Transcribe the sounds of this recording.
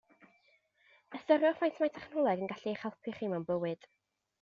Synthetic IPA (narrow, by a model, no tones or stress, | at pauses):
əstɔɾjɔfajntʰmajtʰɛχnɔlˠɛɡənɡaɬieχɛlˠpʰɨχimawnbəwɨd̥